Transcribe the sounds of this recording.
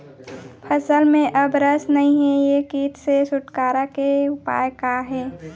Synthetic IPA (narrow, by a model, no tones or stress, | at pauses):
pʰəsəlmẽʔɐbɾəsnɐɦĩɦɛjekiːt̪sesʊʈkaːɾakeʊpa̰ːjkaɦɛː